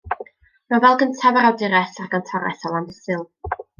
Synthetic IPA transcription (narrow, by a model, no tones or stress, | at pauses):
mavɛlˠɡəntʰavaɾawdɪɾɛsarɡɔntʰɔɾɛ̰θɔlˠanəsɨlˠ